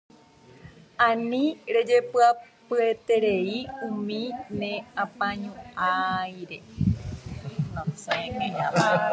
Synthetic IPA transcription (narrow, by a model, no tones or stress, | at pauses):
ãnĩɾed͡ʒepɨapɨet̪eɾeiũmĩnẽãpãɲũajɾe | nõsẽmẽɦãa